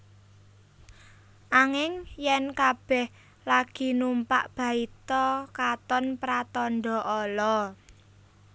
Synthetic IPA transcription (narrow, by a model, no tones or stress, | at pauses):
ʔaŋɪŋjɛnkab̥ɛh | laɡ̥i̤numpa̰ʔb̥ä̤it̪ɔkat̪ɔnpɾat̪ɔnɖɔ̤ʔɔlɔ